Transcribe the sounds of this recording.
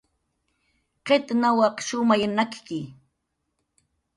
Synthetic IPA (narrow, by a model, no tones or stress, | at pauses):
qet̪nawɑqʃʊmajanakkɪ